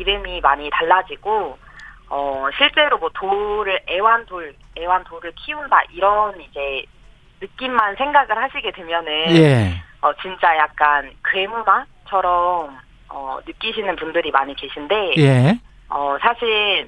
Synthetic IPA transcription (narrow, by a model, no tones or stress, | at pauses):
iɾɯmimaɲitaɭːad͡ʑiɡo | ʌɕʰiɭt͡ɕ͈e̞ɾomwʌtoɾɯɾewantoɭ | e̞wantoɾɯɭkʰiunda̰ʔiɾʌnid͡ʑe̞ | nɯk͈imːansʰe̞ŋɡaɡɯɭhaɕʰiɡe̞dwe̞mjʌnɯneʌt͡ɕint͡ɕ͈ajak̚k͈ankɯe̞muna | t͡ɕʰʌɾʌm | ʌnɯk͈iɕʰinɯnpundɯɾimaɲikeɕʰinde̞je | ʌsʰaɕʰiɭ